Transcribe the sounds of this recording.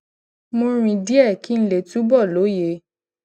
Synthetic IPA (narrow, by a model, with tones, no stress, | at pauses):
mõ˧ɾ̃ĩ˧di˦ɛ˦˨ki˦n̩˦le˨tu˨˦bɔ˦˨lo˨˦je˧˦